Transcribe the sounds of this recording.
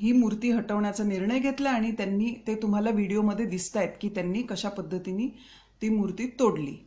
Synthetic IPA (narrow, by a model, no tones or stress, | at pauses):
ɦiːmuɾt̪iːɦəʈəʋɳjat͡saniɾɳəjɡʱet̪laːɽ̃it̪janːiːt̪et̪um̤alaʋiɽioməd̪ʱːjed̪ist̪ajet̪kiːt̪janːiːkəɕapəd̪ʱːət̪iniː | t̪iːmuɾt̪iːt̪oɽlḭː